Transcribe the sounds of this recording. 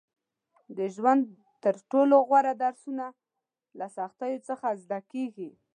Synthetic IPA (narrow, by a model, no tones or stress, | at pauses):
d̪əʒwand̪ | t̪əɾʈoloɣwaɾad̪aɾsuna | lasaxt̪ajot͡səxazd̪akeɡi